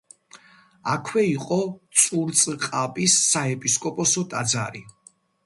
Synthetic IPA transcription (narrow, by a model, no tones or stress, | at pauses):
akʰwɛiqʼɔt̪sʼuɾt̪sʼqʼapʼisːaɛpʼiskʼɔpʼɔsɔt̪ʼad̪za̰ɾi